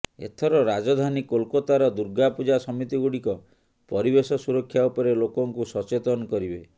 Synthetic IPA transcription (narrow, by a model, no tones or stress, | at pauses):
ḛt̪ʰɔɾɔɾad͡ʒɔd̪ʱanikolkɔt̪aɾɔd̪uɾɡapud͡ʒasɔmit̪iɡuɽikɔ | pɔɾibesɔsuɾɔkʰːjaupɔɾelokɔŋkusɔt͡ʃet̪ɔnɔkɔɾibe